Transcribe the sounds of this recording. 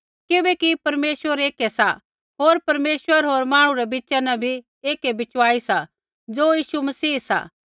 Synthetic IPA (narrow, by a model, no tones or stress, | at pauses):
kɪbɛkipɐɾmeːsʋəɾeːkesa̰ | ɦoːɾpɐɾmeːswəɾɦoːɾmãːɽ̃ũɾɛbɪtːt͡ʃɛnɛ̃bʱi | eːkebɪt͡ʃʋaːisa | d͡zoːjiːʃumɐsiːsa̰ː